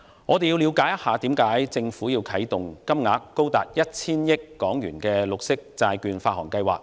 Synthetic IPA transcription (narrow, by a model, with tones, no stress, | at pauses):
ŋɔː˨˧e˨ji˧wliː˨˧wkaː˨˥jɐ˥t̚haː˨˧t̪iː˨˥mkaː˨˥jt͡sɪ˧ŋfuː˨˥jiː˧wkʰɐ˨˥jt̪ʊ˨ŋkɐ˥mŋaː˨˥kːo˥wt̪aː˨˩t̚jɐ˥t̚t͡sʰiː˥njɪ˥kːɔː˨˥ŋjyː˨˩nkɛː˧lʊ˨k̚sɪ˥k̚t͡saː˧jkyː˨˧nfaː˧t̚hɔː˨˩ŋkɐ˧jwa̰ː˨˩k̚